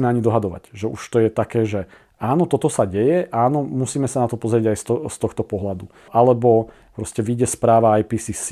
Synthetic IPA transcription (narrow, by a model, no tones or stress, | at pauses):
mɛaɲid̪ɔɦad̪ɔʋa̰ɟʒɛʔuʃt̪ɔjɛt̪akɛːʒɛ | aːnɔt̪ɔt̪ɔsaɟɛjɛʔaːnɔmusiːmɛsanat̪ɔpɔzɾɪɛɟajst̪ɔst̪ɔxt̪ɔpɔɦlad̪u | ʔalɛbɔ | pɾɔscɛʋiɟɛspɾaːʋaajpiːsis